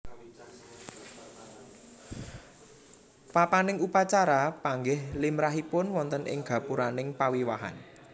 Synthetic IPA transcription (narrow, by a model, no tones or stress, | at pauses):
papanɪŋupat͡ʃaɾapaŋɡɪhlimɾaɦipʊnwɔnt̪ənʔɪ̰ŋɡ̥a̤puɾanɪŋpawiwaɦa̰n